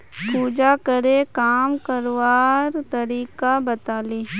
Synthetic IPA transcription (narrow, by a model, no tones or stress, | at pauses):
puːd͡ʒakəɾekaːmkəɾʋaːɾt̪ɐɾiːkabət̪aːleː